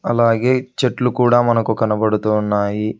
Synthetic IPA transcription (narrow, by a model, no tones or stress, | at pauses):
ɐlaːɡe̞ːt͡ʃeʈlukuːɽaːmɐnɐkukɐnɐbɐɽut̪unːaːji